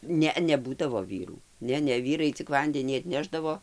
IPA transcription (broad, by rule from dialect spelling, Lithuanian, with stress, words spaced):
ˈnʲɛ nʲɛˈbuːdɐʋoː ˈʋʲiːruː ˈnʲɛ ˈnʲɛ ˈʋʲiːrɐɪ t͡sʲɪk ˈʋɐnʲdʲɛnʲiː ɐtʲˈnʲæːʒdɐʋoː